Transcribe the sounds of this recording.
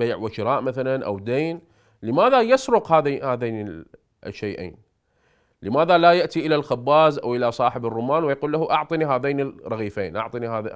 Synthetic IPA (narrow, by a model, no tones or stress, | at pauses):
baːʕwɪʃɪɾˤɑːʔmaθalanʔa̰wd̪eːn | lɪmaːðajasɾʊqhaːðhaːðeːnɪ | ʃːejʔḛːn | lɪmaːðalajaʔt̪iʔɪlalxabːaːzʔa̰wʔɪlasˤɑːħɪbɪrˤːʊmaːnwɪjaquːlːahuʔɑʕt̪ˤɨniɦaːðeːnɪrˤɑɣiːfeːnʔɑ̰ʕt̪ˤɨnihaːð̰